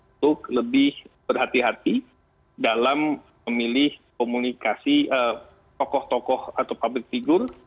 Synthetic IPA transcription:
t̪ʊk̚ləbɪhbərɦat̪iɦat̪i | dalam | əmilɪhkomunikasiə | t̪ɔkɔht̪ɔkɔhat̪awpablɪk̚t̪iɡʊr

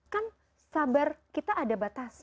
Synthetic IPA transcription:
kan | sabarkit̪aʔːdabat̪as

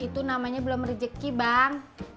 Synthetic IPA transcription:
it̪unamaɲabəlʊmərid͡ʒəkːibaŋ

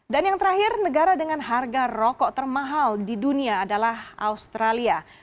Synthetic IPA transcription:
danjaŋt̪əɾaɦɪrnəɡaɾadəŋanɦarɡarɔkɔʔt̪ərmaɦaldiduniaːdalahaust̪ɾalia

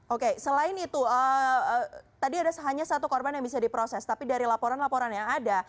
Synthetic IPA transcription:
ʔokesəlaɪnit̪uə | t̪adiadasəɦaɲasat̪ukɔrbanjaŋbisadipɾosɛst̪apidaɾilapoɾanlapoɾanjaŋada

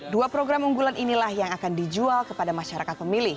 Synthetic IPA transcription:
duapɾoɡɾamuŋɡulanʔinilahjaŋakandid͡ʒualkəpadamaʃaɾakat̪̚pəmilɪh

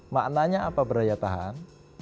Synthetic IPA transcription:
maʔnaɲaapabəɾajat̪aɦa̰n

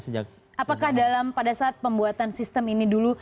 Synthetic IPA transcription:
səd͡ʒak | ʔapakahdalampadasaːt̪̚pəmbuat̪ansist̪əminidulu

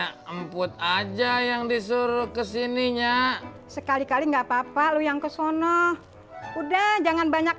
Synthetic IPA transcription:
aəmpʊt̪̚ad͡ʒajaŋdisuɾʊkəsiniɲa | səkalikaliŋɡapapalujaŋkəsɔnɔh | udahd͡ʒaŋanbaɲak̚

